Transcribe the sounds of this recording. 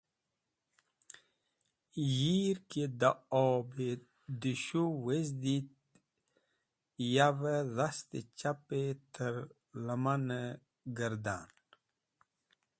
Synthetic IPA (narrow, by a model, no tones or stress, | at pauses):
jiɾked̪aɔbe | d̪iɕuwezd̪it̪̚ | javəðast̪ḛt͡ɕapet̪ʰəɾ | ləmanə | ɡəɾd̪aːn